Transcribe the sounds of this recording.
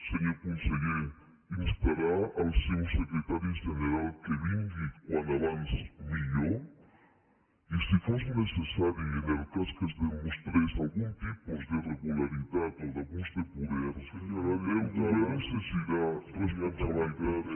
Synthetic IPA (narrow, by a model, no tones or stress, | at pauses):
seɾiakonseɣiɾ | inspeɾaɾalsewsekɾet̪aɾjoʃeneɾalkeβiŋɡikwand̪aβansmiʎo | isifosmonesesaɾjoeneɾk̪askezdeumost̪ɾesalɣunt̪ipozd̪ereɣulaɾiðat̪ad̪aɣuzd̪epoðeɾaɾalewnonesesiɾaresat̪aβajɣaɾ